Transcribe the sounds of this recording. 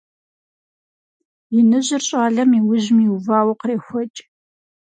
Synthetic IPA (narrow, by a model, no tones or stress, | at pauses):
jɪnɨʑɪrɕʼaːɮɐmiːwʊʑmiːvaːwɐqreːxʷɔt͡ʃʼ